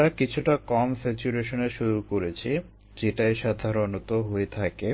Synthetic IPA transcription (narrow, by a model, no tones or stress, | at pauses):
ɾakit͡ɕʰuʈakɔmset͡ɕuɾeʃoneʃuɾukoɾet͡ɕʰi | d͡ʑeʈajʃad̪ʱaɾonot̪oɦoet̪ʰake